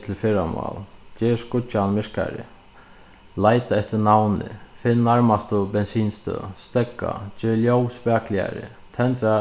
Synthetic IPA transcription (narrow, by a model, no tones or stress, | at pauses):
t̪ʰɪlfɪɾama̰ːlt͡ʃeːskʊt͡ʃːanmɪɹka̰ɾɪ̰ | lajt̪aɛht̪ɪnawnɪ̰fɪnnaɹmast̪ʊbɛnsiːnst̪œ̰st̪ɛkːa̰t͡ʃeːljowspaːklɪa̰ɾɪ̰ | t̪ʰɛnt̪a